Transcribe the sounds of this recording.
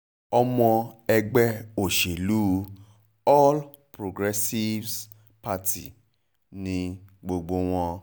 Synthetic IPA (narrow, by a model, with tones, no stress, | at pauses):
ɔ˧mɔ̃˧ɛ˧ɡ͡bɛ˦o˨ʃe˨lu˦ | ɔ˦l | pɾo˨ɡɾɛ˦si˦vs | pa˦tʰi˨ | nĩ˧ɡ͡bo˧ɡ͡bo˧w̃ɔ̃˧